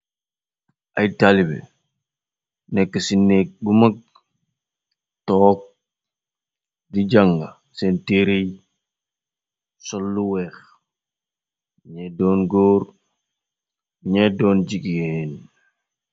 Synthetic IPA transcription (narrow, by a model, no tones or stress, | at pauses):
ʔajtalibɛ̰ | nɛkːəsinːek̚bumɐk̚ | tɔːk̚ | did͡ʒaŋɡa | senteɾej | sɔlːuwɛːx | ɲɛdɔːnɡoːɾ | ɲɛdɔːnd͡ʒiɡen